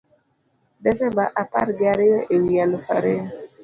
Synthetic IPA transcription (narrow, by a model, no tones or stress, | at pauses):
dɛsɛmbaʔapa̰ɾɡaɾejɔʔewialufaɾe